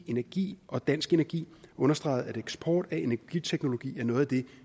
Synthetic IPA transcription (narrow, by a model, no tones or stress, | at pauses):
e̝næɐɡ̥ḭːʔɒ̽d̥æn̰sɡ̥e̝næɐɡ̥ḭːɔ̽nɐsd̥ʁɑ̈ɪð̞̩ˠæɾeɡ̥sb̥ʰɒːd̥æe̝næɐɡ̥it͡sʰeɡ̥no̝lo̝ɡ̥ḭːæɐnɔ̽ːð̩ˠæd̥e̝